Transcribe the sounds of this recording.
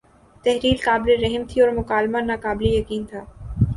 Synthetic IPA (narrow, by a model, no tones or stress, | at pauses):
t̪ɛɦɾiːlkaːbleɾɛɦmt̪ʰiɔːɾmʊkaːlmanaːkaːblejɐkiːnt̪ʰaː